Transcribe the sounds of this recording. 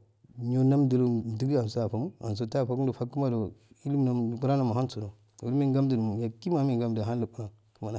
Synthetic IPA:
ɲo˨na˦mdu˨lo˦˨di˦ɡi˦a˨n˨so˦a˨fa˨mu˦a̰˨ns̬o˨ta˦˨fa˨ku˦n˦do˨fa˦kːu˦ma˦do˨i˦li˦m˦na˨ku˦ɾa˦na˨ma˨ha˦nso˨do˨ | wu˨ɾmi˦ŋ˦ɡa˦mdi˨n˨mu˨ja˨ki˦ma˨˦mi˦˨ɡa˦mda˦n˦a˨ku˦na˨ | ku˦ma˨na˨

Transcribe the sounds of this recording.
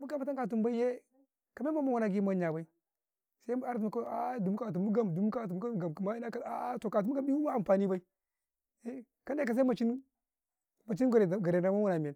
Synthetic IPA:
mu˦ɡa˨ma˦ta˦ŋka˨t̬u˨mba˦i˦je˦ | ka˨me˦ma˦ma˦wu˨na˨ɡi˦ma˦ɲa˨ba˦i˦ | sa˦a˦ɾtu˨m˨ko˦a˦du˨m˦ka˨t̬u˨u˦ɡa˦m˨du˨m˦ka˦˨˦ɡa˨m˨ma˦na˦ka˦a˦to˨ka˨tu˨˦m˦ɡa˦bi˦u˦ma˦a˨mpa˨ni˦ba˦i˦ | e˦ | ka˦n˦de˦ka˨s̬a˦ma˨t͡ʃi˦n | ma˨t͡ʃi˦ɡo˨ɾe˨ɡa˨ɾe˨na˨ma˦wu˦na˨me˨n

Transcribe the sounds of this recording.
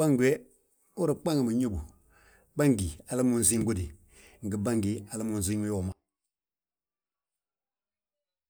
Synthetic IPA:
ba˦ŋɡʷe˦ | u˦ɾi˨k͡pa˦ŋ˨mu˨ɲo˦bu˨ | ba˦ŋɡi˨a˨la˦mu˦n̩˨zi˦ŋ˦ɡo˦di˨ | ŋ̩˨ɡi˨ba˦ŋɡi˨a˨la˦mu˨n̩˨zi˦ŋ˦jo˦˨ma˨

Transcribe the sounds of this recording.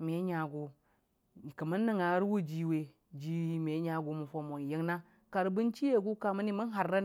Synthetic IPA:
me˨˦ɲa˨ɡo˨ | kə˨mə˦nːə˨ŋa˨˦ɾwu˦d͡ʒi˨we˨ | d͡ʒi˦me˨˦ɲa˨ɡu˨mu˨fo˨mo˨n˨ji˦ŋna˦ | ka˨ɾbu˦nt͡ʃi˦je˦˨ɡu˦ka˨mə˦ni˦mə˦n˦ɦa˨ɾːa˦n˨

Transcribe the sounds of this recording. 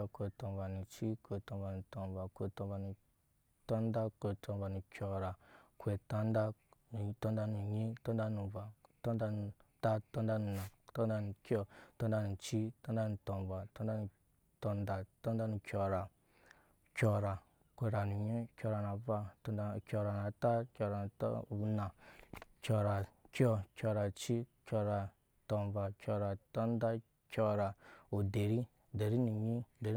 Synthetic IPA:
a˧kʷe˨tɔ˨nva˨nu˨t͡ʃi˦kʷe˨tɔ˧nva˨nu˨tɔ˨nva˨kʷe˨tɔ̃˨˧va˨nu˨ | tɔ˦nda˦kʷe˨tɔ˧nva˨nu˨kʲɔ˨˧ɾa˨kʷe˨ta˦n˦da˦n˨tɔ̃˦nda˦nu˨ɲĩ˦tɔ˦nda˦nu˨va˨tɔ˦nda˦nu˨ta˦tɔ˦n˦da˦nu˨na˨tɔ˦n˦da˦nu˨kʲɔ˦tɔ˦nda˦nu˨t͡ʃi˦tɔ˦nda˦nu˨tɔ˨nva˨tɔ˦n˦da˦nu˨ | tɔ˧nda˨to˦n˦da˦nu˨kʲo˨ɾa˨ | kʲo˧ɾa˨ | ke˨ɾa˨nu˨ɲi˦kʲo˧ɾa˨na˨˦va˦˨kʲo˧ɾa˨na˨ta˦kʲo˧ɾa˨n˨tna˨kʲo˨ɾa˨kʲo˦kʲo˧ɾa˨t͡ʃi˦kʲo˧ɾa˨ | to˨n˨va˨kʲo˧ɾa˨to˦n˦da˦ | kʲo˦ɾa˨o˨de˨ɾi˦ | de˨ɾi˦nu˨ɲi˦de˨ɾ

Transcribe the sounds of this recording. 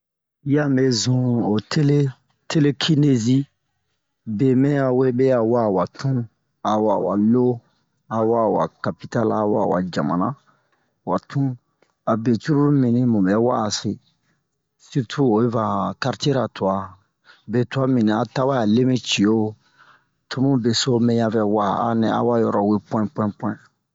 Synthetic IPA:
ja˦me˨zũ˨o˨tʰe˦le˦ | te˦le˦kʰi˦ne˦zi˦ | be˨mɛ̃˦a˨we˦be˦a˨wa˦˨wa˨tʰũ˦ | a˨wa˨wa˨lo˦ | a˨wa˦˨wa̰˨ka˨pi˦ta˦la˨wa̰˦˨wa̰˨d͡ʒa̰˨mã̰˨nã˦ | wa˨tũ˦ | a˨be˨tu˦ɾu˦ɾu˦mĩ˨nĩ˦mũ˨bɛ˨˦waː˦˨se˨ | si˦ɾtʰu˦o˨e˦va˨ka˦ɾte˦ɾa˨tu˨a˦ | be˨tu˨a˦mĩ˨nã˨a˨ta˦wa˦ja˨le˦mĩ˦t͡ʃi˨o˦ | tʰu˦mũ˦be˨so˦mɛ̃˦ja˦vɛ˨wa˦a˨nɛ̃˨a̰˨˦wa˦jɔ˨ɾɔ˨we˦pɛ̃˦pwɛ̃˦pwɛ̃˦˨

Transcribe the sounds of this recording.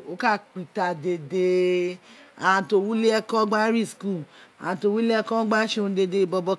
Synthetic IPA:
o˨˦ka˦˨k͡pi˨ta˨de˨de˧ | a̰˨ã˧to˧wu˦le˦ɛ˦kɔ˦ɡ͡ba˦ɾi˦˨sku˦˨a̰˨ã˧to˧˦wu˦le˦ɛ˦˧kɔ˦ɡ͡ba˦ʃẽ˦˧˦de˧de˧i˧bɔ˧bɔ˧

